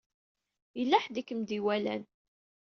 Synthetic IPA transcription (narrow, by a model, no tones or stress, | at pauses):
jəlːæħd̪ikːəmd̪iwælæ̰n